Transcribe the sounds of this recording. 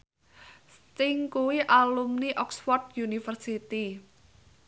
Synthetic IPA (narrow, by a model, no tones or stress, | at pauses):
st̪ɪŋkuwiʔalumniʔɔkswɔrt̪̚junifərsit̪i